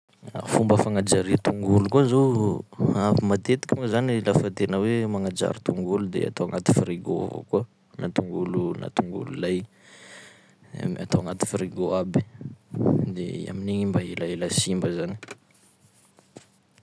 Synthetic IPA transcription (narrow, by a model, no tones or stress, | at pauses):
a̰fumbəfaŋad͡ʒaɾit̪uŋɡulukuazo | avimat̪et̪i̥kʲimuzanilafət̪enəwemaŋad͡ʒa̰ɾit̪uŋɡulud̪ḛa̰t̪owaŋat̪i̥friɡovo̰kuə | nat̪uŋɡuluna̰t̪uŋɡṵlulaj | mat̪oaŋat̪i̥fɾiɡoabi̥ | d̪ea̰miniɲimbaelaelasimbəzani̥